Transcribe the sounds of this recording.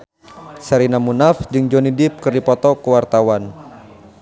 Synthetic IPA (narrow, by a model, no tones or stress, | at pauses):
saɾinamunafd͡ʒɨŋd͡ʒɔnidɪp̚kɨrdipɔt̪ɔkəwart̪awan